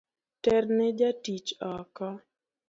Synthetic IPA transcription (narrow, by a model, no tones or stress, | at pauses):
tɛrnɪd͡ʒatit͡ʃɔkɔ